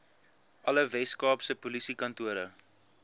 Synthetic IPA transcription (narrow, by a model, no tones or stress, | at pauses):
ʔɐləvɛskɑːpsəpulisikɐntuəɾə